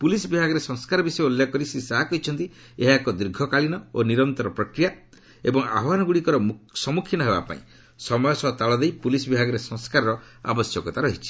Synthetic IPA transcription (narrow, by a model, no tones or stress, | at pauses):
pulisɔbibʱaɡɔɾesɔŋskaɾɔbisɔeoljakɔɾisisaɦakɔɦit͡ʃʰɔnt̪i | eɦaekɔd̪ɾiɾɡʱɔkaɭinɔoniɾɔnt̪ɔɾɔpɾɔkɾija | ebɔŋa̰bwanɔɡuɽikɔɾɔsɔmukʰinɔɦeba̰pa̰ḭ̃ | sɔmɔjɔsɔɦɔt̪aɭɔd̪ejpulisɔbibʱaɡɔɾesɔ̃ŋskaɾɔɾɔ | a̰bɔsjɔkɔt̪aɾɔɦit͡ʃʰi̥